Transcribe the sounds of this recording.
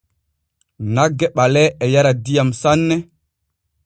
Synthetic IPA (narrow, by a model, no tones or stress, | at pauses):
naɡːɛɓalɛɛjaɾadijamsanːɛ